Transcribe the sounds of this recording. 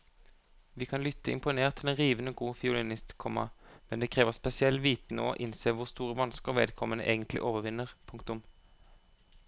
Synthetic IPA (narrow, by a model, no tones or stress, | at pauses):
ʋiːkʰɑnlʏt̪ʰːəɪ̰mpʊneːʁt̪ʰːɪlɛnʁiːʋənoɡuːfɪuːlɪnɪst̪kʰɔmːɑ̰mɛnd̪ɛːkʰʁeːʋəʁspɛsɪɛlːʋiːt̪n̩o̰ːʔɪnseːʋʊʁst̪uːʁəʋɑnskəʁʋḛːd̪kʰɔmənə̰ʔeːɡənt̪ʰlɪ̰ʔoːʋəʁʋɪnːəʁpʰʊŋkt̪ʊm